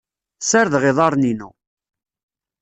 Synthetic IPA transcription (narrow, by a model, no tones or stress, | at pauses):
səɾðʁɪðˤɑɾˤninṵ